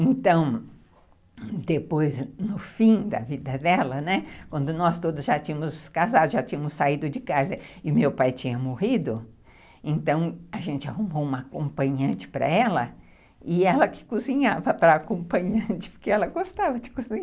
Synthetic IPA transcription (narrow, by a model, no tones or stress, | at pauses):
ẽnt̪ɐ̃w̃ | d̪epojznʊfĩd̪ɐ̰vid̪ɐd̪ɛlɐnɛkwɐ̃nd̪ʊnɔst̪od̪ʊzʒat͡ʃĩɲɐ̃mʊskazad̪ʊʒat͡ʃĩɲɐmʊsːaid̪ʊd͡ʒɪkazɐɪʊmewpajt͡ʃĩɲɐmohid̪ʊ | ẽnt̪ɐ̃w̃ɐʒẽnt͡ʃɪahumowũmɐkõmpɐ̃ɲɐ̃nt͡ʃɪ̥pɾɐ̰ɛlɐ̰ | ɪɛlɐkɪ̥kuzĩɲavɐpɾɐːkõmpɐ̃ɲɐ̃nt͡ʃɪ̥pʊɾkeɛlɐɡost̪avɐd͡ʒɪkuzĩɲ